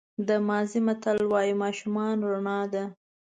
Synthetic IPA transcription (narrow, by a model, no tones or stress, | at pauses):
d̪əmɑzimat̪alwɑjimɑʃumɑnɾaɳɑd̪a